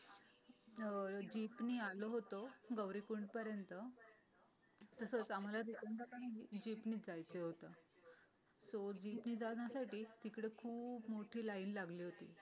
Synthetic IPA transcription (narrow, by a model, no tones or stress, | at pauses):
d͡ʑipniːaloɦot̪oɡəwɾikuɳɖpəɾjənt̪ə | t̪əsət͡sam̤alad̪ik̪ənd̪at̪anaɦid͡ʑiːpniːd͡zajt͡seɦot̪ə | sod͡ʑiːpniːd͡zajasaʈiːt̪ikɽekʰuːbmoʈʰiːlaiːnlaɡliːɦot̪ḭː